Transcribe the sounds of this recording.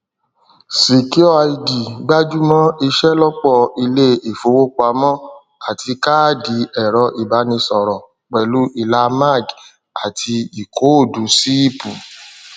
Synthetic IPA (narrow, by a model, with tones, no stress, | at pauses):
si˨ki˨˦ɔ˦a˧i˧di˨ɡ͡ba˦d͡ʒu˦mɔ̃˦i˧ʃɛ˦lɔ˦k͡pɔ˧i˧le˦e˨fo˨˦wo˦k͡pa˧mɔ̃˦ | a˨ti˧ka˦˨di˨˦ʔɛ˨ɾɔ˧ʔi˨ba˨˦nĩ˧sɔ˨ɾɔ̃˨ | k͡pɛ˨lu˨˦ʔi˦˨la˧˦ma˦˨ɡ | a˨tʰi˧i˨kʰo˨˦o˦˨du˨˦si˦i˦˨pu˨